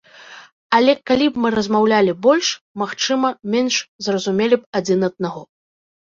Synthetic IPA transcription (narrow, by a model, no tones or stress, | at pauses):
ɐlʲɛkalʲibmɨɾɐzmawlʲalʲibɔlʲʂ | maxt͡ʂɨmɐmʲɛnʂzrɐzumʲelʲip̚ad͡zʲinɐd̪̚naɣɔ